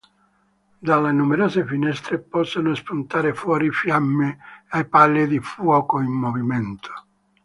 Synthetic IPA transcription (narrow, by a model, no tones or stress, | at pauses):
d̪alːenumeɾɔːsefinɛst̪ɾepɔsːonospunt̪aːɾefwɔːɾifjamːɪajpalːid̪ifwɔːkoimːovimɛnt̪ʰo̥